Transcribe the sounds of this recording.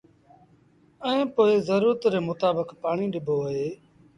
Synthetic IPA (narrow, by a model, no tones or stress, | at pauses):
əẽːpoːeːzəɾuːɾt̪ɾeːmʊt̪aːbəkpaːɳiːɗɪbʱoːɦeː